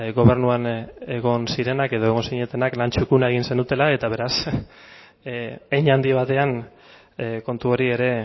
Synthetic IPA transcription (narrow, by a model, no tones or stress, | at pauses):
ɡo̞βe̞ɾnuane̞ɣo̞nsiɾe̞nake̞ðo̞e̞ɣ̞o̞nsiɲe̞t̪e̞naklant͡ʃukunaeɣ̞inse̞nd̪ut̪e̞lae̞t̪aβ̞e̞ɾas | eɲand̪iβ̞at̪e̞an | ko̞nt̪uo̞ɾie̞ɾe̞